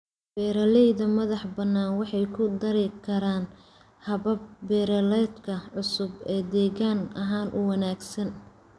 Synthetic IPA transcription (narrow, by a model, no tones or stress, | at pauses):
b̥ɛːɾɐlɛjðɐmɐðɑħbɐnːaːnwɑħɑjkʰʊd̪ɐɾɪkʰɐɾaːn | hɐβɐb̚ːɛːɾɐlɛd̪kʰɐʕʊsʊbɛːd̪ɛːɣaːnɐɦaːnʔʊwɐnaːɡsɐn